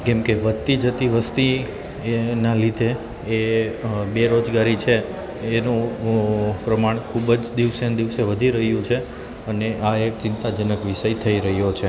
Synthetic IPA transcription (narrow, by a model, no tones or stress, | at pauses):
kɛ̃mkeʋət̪ːid͡ʒət̪iʋəst̪i | nalid̪ʱeː | beɾod͡ʒɡaɾit͡ʃʰeː | nũ | pɾəmaɳ̃kʰubd͡ʒd̪iʋsend̪iʋseʋəd̪ʱiɾəɦjũt͡ʃʰe | əneʔaek̚t͡ʃɪnt̪ad͡ʒənəkʋiʃəjt̪ʰəiɾəɦjot͡ʃʰe